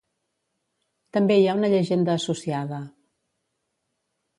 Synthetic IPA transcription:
t̪əmbeiaunəʎəʒend̪əːsusiaðə

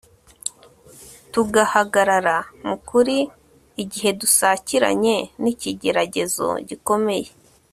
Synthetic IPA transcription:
tuɡahaɡaɾaɾamukuɾiː | ɟiɦe̞dusaːciɾa̰ɲe̞niciɟe̞ɾaɟe̞zo̞̰ɟiko̞me̞je̞

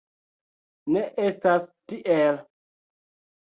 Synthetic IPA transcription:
neʔestastiʔel

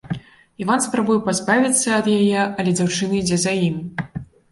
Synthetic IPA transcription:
ivanspɾabujɛpazbavʲit̪sːɐɐd̪jajɛʔɐlʲɛd͡zʲawt͡ʂɨnɐid͡zʲɛzajimʲ

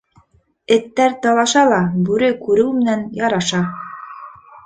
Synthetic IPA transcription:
ɘ̆t̪ːæɾt̪ɑlˠɑʃɑlˠɑbʉɾɘkʉɾɘwmɘ̆nænjɑɾɑʃɑ

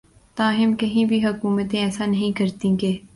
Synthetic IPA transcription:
t̪ãːɦɪmkɐɦĩbʱiɦɐkuːmət̪ẽɛːsanɐɦĩkɐɾt̪ĩkeː

